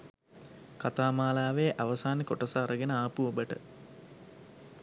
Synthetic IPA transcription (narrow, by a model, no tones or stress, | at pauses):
kat̪aːmaːlaːʋeʔaʋɐsaːnekoʈɐsaːɾəɡenəaːpuobəʈə